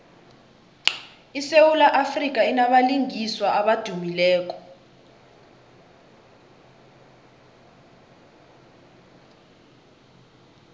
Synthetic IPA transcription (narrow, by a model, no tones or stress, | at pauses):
isewulaʔafrik̬ʼainaɓaliŋiswaʔaɓad̥ʱumilɛːk̬ɔ̥